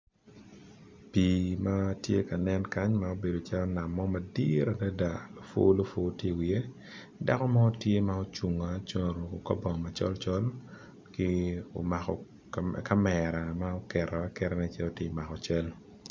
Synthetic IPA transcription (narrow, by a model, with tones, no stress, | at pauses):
pi˨ma˦tje˦ka˨nɛ˦nka˦ɲma˦o˦be˨do˨t͡ʃa˦lɔ˦na˨mːɔ˦ma˨di˦ɾa˨da˦da˨lo˨fo̰˦lo˨fo˦te˦˨wi˨e˦ | da˦kɔ˦ma˦o˦tje˦ma˦o˦t͡ʃu˨ŋa˨t͡ʃo˦˨ɾo˨ko˨ka̰˦bɔ˨ŋma˨t͡ʃɔ̰˦lt͡ʃɔ˦l | kɪ˦o̰˨ma˨kɔ̰˨ | ka˦mɛɾa˨mao˦kɛ˨ɾa˨a˦kɛ˦ɾɛ˦nɛ˦t͡ʃjɛ˦o˨ti˦˨ma˨kɔ˨t͡ʃɛ˦l